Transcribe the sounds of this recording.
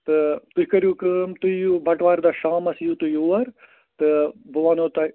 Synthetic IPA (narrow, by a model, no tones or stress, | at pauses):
t̪ɨt̪ukɐɾjukɨmt̪ujubɐʈʋaːɾd̪aʃaːmɐsjut̪ujuɐɾ | t̪ɨbɐʋaːnot̪ɐ